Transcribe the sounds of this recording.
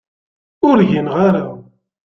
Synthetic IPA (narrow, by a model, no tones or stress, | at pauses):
ʊɾʝinʁaɾa